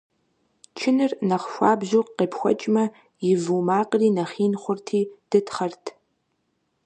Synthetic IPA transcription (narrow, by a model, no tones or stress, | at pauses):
t͡ʃʰɪnɨrnɐχʷʃʷa̰ːbʑuːqqeːpxʷɔ̰t͡ʃʼmɐ | jɪvuːmaːqʼriːnɐχiːnχʷʊrtʰiːd̥ɨtʰχɐrtʰ